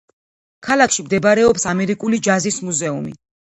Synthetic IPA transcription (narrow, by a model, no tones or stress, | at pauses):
kʰalˠakʰʃimd̪ɛbaɾɛɔpsamɛɾikʼulid͡ʒazismuzɛumḭ